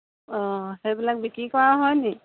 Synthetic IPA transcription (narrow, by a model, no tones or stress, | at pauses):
ɔ̃hejbilak̚bikikɔaɦɔjni